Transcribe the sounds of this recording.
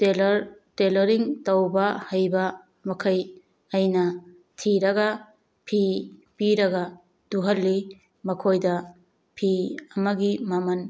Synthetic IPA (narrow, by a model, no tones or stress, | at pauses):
elɾtelɐɾiŋtɐwbɐhɐjbɐ | mɐkʰɐj | ɐjnɐ | tʰiɾɐɡɐ | pʰipiɾɐɡɐ | duɦɐlːi | mɐkʰojdɐ | pʰiɐmɐɡimɐmɐn